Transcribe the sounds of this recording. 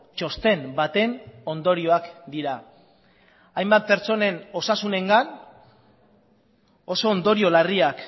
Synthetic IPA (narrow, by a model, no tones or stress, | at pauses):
t͡ʃo̞st̪e̞mbat̪e̞no̞nd̪o̞ɾio̞akd̪iɾa | jmbat̪̚pe̞ɾt͡ʃo̞ne̞no̞sasune̞ŋɡan | o̞so̞ːnd̪o̞ɾio̞lariak